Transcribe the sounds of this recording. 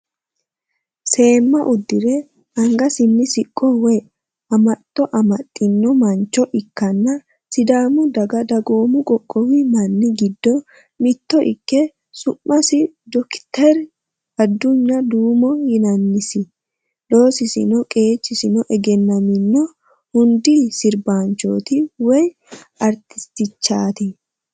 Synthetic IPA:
se̞ːmːɐʔʊd̪ːɪɾɛ | hɐŋɡɐsɪnːɪsɪkʼːɔwɛ | ɐmɐt̪ʼːɔʔɐmɐt̪ʼːɪnːɔmɐnt͡ʃːɔʔɪkːɐnːɐ | sɪd̪aːmʊd̪ɐɡɐd̪ɐɡoːmʊkʼɔkʼːɔwɪmɐnːɪɡɪd̪ːɔ | mɪt̪ːɔʔɪkːɛ | sʊmːɐsɪd̪ɔkt̪ɛɾ | ɐd̪ːʊɲːɐd̪uːmɔhɪnɐnːɪsɪ | lo̞ːsɪsɪ̰nɔkʼe̞ːt͡ʃːɪsɪnɔʔɛɡɛnːɐmɪnːɔ | hʊnd̪isɪɾbaːnt͡ʃːo̰ːt̪ɪwɔj | ɐɾt̪ɪst̪ɪt͡ʃːaːt̪ɪ

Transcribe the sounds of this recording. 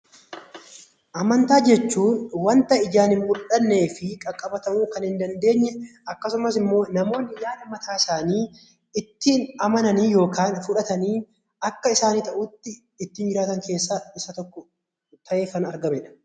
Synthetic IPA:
ʔɐmɐnt̪aːd͡ʒɛt͡ʃːuːnwɐnt̪ɐɪd͡ʒaːnɪmmʊᶑɐnːe̞ːfɪkʼɐkʼːɐbɐt̪ɐmuːkɐnhɪnd̪ɐnd̪e̞ːɲːɛɐkːɐsʊmɐsɪmːo̞ːnɐmo̞ːnːɪjaːnɐmɐt̪ʰaːɪsaːniː | ɪt̪ːiːnɐmɐnɐniːjo̞ːkaːnfʊᶑɐt̪ɐniː | ʔɐkːɐɪsaːniːt̪ɐʔut̪ːɪ | ɪt̪ːiːnd͡ʒɪɾaːt̪ɐŋkʰe̞ːsːaɪsɐt̪ɔkːɔ | t̪ʰɐʔe̞ːkɐnɐɾɡɐmɛᶑɐ̥

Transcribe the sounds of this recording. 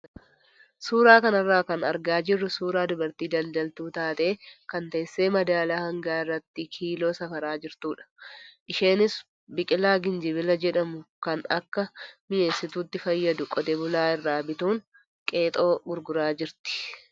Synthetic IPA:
suːɾaːkɐnɐrːaːkɐnɐɾɡaːd͡ʒɪrːʊsuːɾaːd̪ʊbɐɾt̪iːd̪ɐld̪ɐlt̪uːt̪aːt̪ʼe̞ːkɐnt̪ɐsːe̞ːmɐd̪aːlahɐŋɡaːɪrːɐt̪ːɪkʰiːlo̞ːsɐfɐɾaːd͡ʒɪɾt̪uːᶑɐ̥ʔɪʃeːnɪs | bɪkʼɪlaːɡɪnd͡ʒɪbɪlɐd͡ʒɛᶑɐmʊkɐnɐkːɐmɪje̞ːsːɪt̪uːt̪ːɪfɐjːɐd̪ʊkʼɔd̪ɛbʊlaːɪrːaːbɪt̪uːŋ | kʼe̞ːt̪ʼo̞ːɡʊɾɡʊɾaːd͡ʒɪɾt̪ɪ̥

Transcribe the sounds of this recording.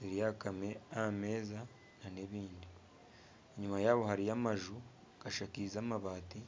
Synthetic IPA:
ziɾijakameame̞ːza | naneβiːndi | eɲumajaβo̞haɾijamaʒu | ɡ̥aʃakizamaβaːti

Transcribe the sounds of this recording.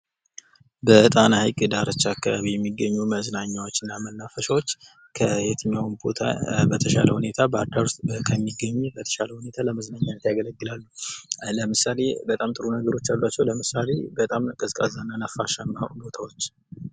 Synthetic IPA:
bət̪ʼanahɨkʼɨd̪aɾət͡ʃːakːaβaβijɛmːiɡəɲːuməznaɲːawot͡ʃːɨnːamənːafəʃawot͡ʃː | kʰəjɛt̪ʰɨɲːawmbot̪ʰa̰bət̪ʰəʃa̰ləhune̞t̪ʰabəa̰d̪aɾkʰəmːiɡəɲːebət̪ʰə̥ʃaləhune̞t̪ʰaləməznaɲːanːət̪jaɡələɡːɨlalːuləmɨsale̞bət̪ʼamt̪ʼɨɾunəɡəɾo̞t͡ʃːalːat͡ʃːɛwləmɨsale̞̰bət̪ʼamkʼɨzkʼa̰zanːanəfaʃamabo̞t̪ʰawo̞t͡ʃː

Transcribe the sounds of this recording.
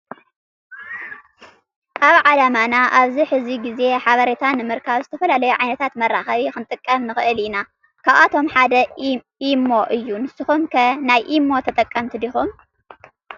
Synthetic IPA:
ʔaβʕalɐmanaʔaβziħɨziɡize̞ħaβɐɾet̪ʰanɨmɨɾkʰaβzɨt̪ʰɐfɐlalɐjuʕajnɐt̪ʰat̪mɐrːaxɐβikɨnt̪ʼɨkʼːɐmnɨxɨʔɨlina | kʰaβat̪ʰo̞mħad̪ɐ | imːo̞ʔɨjːunɨsɨxumkʰɐnajʔimːo̞t̪ʰɐt̪ʼɐkʼːɐmt̪ʰɨd̪ixum

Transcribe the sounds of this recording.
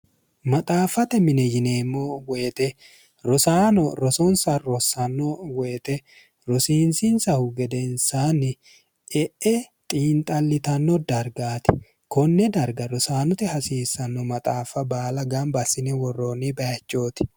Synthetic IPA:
mɐt̪ʼaːfɐt̪ɛmɪnɛjɪneːmːoːweːt̪ɛ | ɾɔsaːnɔɾɔsɔnsɐɾɔsːɐnːɔwɛːt̪ɛ | ɾɔsiːnsɪnsɐhʊɡɛd̪ɛnsaːnːɪ | ɛʔʔɛ | t̪ʼiːnt̪ʼɐlːɪt̪ɐnːɔd̪ɐɾɡaːt̪ɪ̥ | kɔnːɛd̪ɐɾɡɐɾɔsaːnɔt̪ɪhɐsiːsːɐnːɔmɐt̪ʼaːfɐbaːlɐɡɐmbɐsɪnɛwɔrːoːnibɐjɐt͡ʃːo̞ːt̪ɪ̥

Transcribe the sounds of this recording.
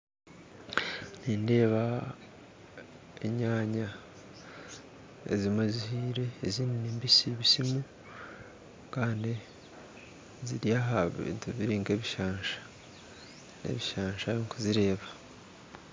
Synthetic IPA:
niːnde̞ːβa | e̞̰ɲaːɲa | ḛzimwezihiːɾe̞ːziːndiniːmbisiβisimu | kaːndi | ziɾiaːɦaβḭːntuβiɾiːŋɡe̞βiʃaːnʃḁ | nḛβiʃaːɲʃajoŋkuziɾe̞ːβḁ

